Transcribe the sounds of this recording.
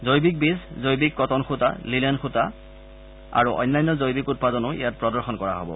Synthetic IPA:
zojbik̚biszojbikːɔtɔnxuta̰lilɛnxuta | a̰ɹuʔɔ̰jnːajnːɔzojbikut̚padɔnʊḭjat̚pɹɔdɔɹxɔnkɔɹa̰ɦo̰bɔ̰

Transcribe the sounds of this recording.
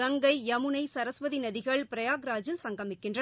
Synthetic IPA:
ɐŋɡɐɪɐmɯnɐɪsɐɾɐsʋɐðinɐðɪɣɐɭpɪɾɐjaːɡɾaːd͡ʒɪlsɐŋɡɐmɪkːɪndrɐ

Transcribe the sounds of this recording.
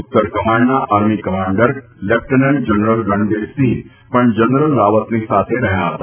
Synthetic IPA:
ʊt̪ːəɾkɐmaːɳɖnaʔaːɾmikɐmaːɳɖəɾ | lep̚ʰʈənend͡ʒɐnɾəlɡɐ̃ɳɖeːsi | pɐɳd͡ʒɐnɾəlːaːʋət̪nesaːt̪ʰeɾɐɦjaɦɐ̰t̪aː

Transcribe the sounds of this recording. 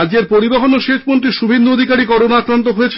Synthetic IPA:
d͡ʑd͡ʑeɾpoɾiboɦonoʃeʃmonʈ̪ɾiʃubʱend̪uod̪ʱikaɾikɔɾonaakɾant̪oɦojet͡ɕʰ

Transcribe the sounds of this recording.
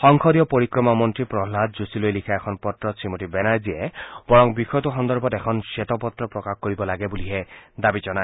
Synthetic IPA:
xɔŋkʰɔdijɔpoɹikɹɔmamɔntɹipɹɔɦladzusilojlikʰaɛkʰɔnpɔtɹɔsɹimotibɛnajziɛb̥ɔɹɔŋbixɔjɔtuxɔnd̪ɔɹbɔtɛkʰɔnsetɔpɔtɹɔpɹɔkaxkoɹibɔlaɡɛbuliɦɛd̪abizɔnaj

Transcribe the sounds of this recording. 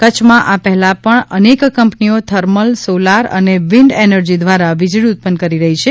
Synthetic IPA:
kət͡ʃʰmãʔapɛɦɛlapəɳənekkəmpniot̪ʰəɾməlsolaɾə̰neʋiɳɖenəɾd͡ʒid̪ʋaɾaʋid͡ʒɭiut̪̚pənd̪kəɾiɾəɦit͡ʃʰe

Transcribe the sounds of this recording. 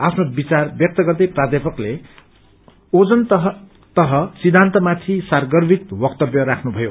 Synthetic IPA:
apʰnobit͡sarbjʌk̚t̪ʌɡʌrd̪ʌjprad̪jepʌkle | od͡zʌnɦ | t̪ʌɦʌsid̪ʱːant̪ʌmat̪ʰisarɡʌrbʱit̪bʌkt̪ʌbjʌɾakʰnubʱʌjo

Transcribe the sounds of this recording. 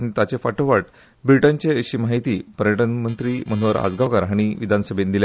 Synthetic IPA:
nit̪at͡ɕefaʈoʋaʈ̚ | bɾiʈaɲt͡ɕeəɕiːmaɦit̪iːpəɾjəʈənmənt̪ɾiːmən̤ʋəɾa̰d͡zɡakaɾɦaɽ̃iʋid̪ʱansəbʱend̪ilja

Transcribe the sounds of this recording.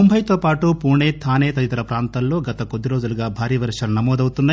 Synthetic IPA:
ombʱɐjt̪o̞ːpaːʈupuːɳeːt̪ʰaːneːt̪ɐit̪ɐɾɐpɾaːnt̪ɐllo̞ːɡɐt̪ɐkod̪ːiɾoːd͡ʒuluɡaːbʱaːɾiʋɐɾʂɐlnɐmoːd̪ɐwut̪unːa

